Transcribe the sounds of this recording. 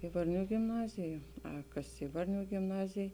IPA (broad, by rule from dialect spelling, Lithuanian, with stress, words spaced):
ɪ ʋɐrʲˈnʲuː ɡʲɪmˈnɑːzʲɪj jɛʊ ɐ ˈkɐs ˈɪ ʋɐrʲˌnʲuː ɡʲɪmˈnɑːzʲeːj